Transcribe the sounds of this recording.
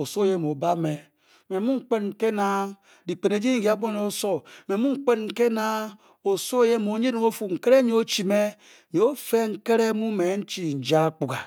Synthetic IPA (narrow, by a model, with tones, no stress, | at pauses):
o˨so˦je˦˨m˨o˨ba˦me˨ | me˨mu˦ŋ͡m̩˦k͡pe˦nŋ̩˨ke˦na˦ | di˨k͡pe˨ne˨˦d͡ʒi˦n˦ɡi˨a˨˦bo˦ne˨o˦so˦me˨˦mu˦ŋ͡m̩˦k͡pe˦nŋ̩˦ke˦na˦ | o˨so˦je˦˨mo˨˦ɲe˦dm˦o˦fu˨ŋ̩˨ke˦ɾe˦ɲ˦o˦t͡ʃi˨me˦ | ɲ˨o˦fe˦ŋ̩˦ke˦ɾe˦mu˦me˨˦n̩˦t͡ʃi˨n̩˨d͡ʒa˦k͡pu˨ɡa˨